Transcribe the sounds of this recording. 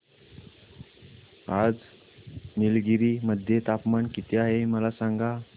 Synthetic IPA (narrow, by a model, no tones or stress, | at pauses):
ad͡z | milɡiɾiːməd̪ʱjet̪apmaɳkit̪eaɦeməlasaŋɡa